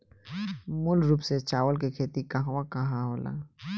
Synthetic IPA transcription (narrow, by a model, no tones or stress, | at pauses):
mʊlɾuːpset͡ʃaːʋəlk̬ekʰeːt̪ikɐɦaʋakɐɦãɦoːla̰ː